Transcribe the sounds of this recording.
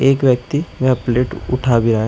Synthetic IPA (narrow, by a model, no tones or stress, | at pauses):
eːkʋjək̚t̪imɛ̃əpleːʈʊ̰ʈʰaːbʱiɾaː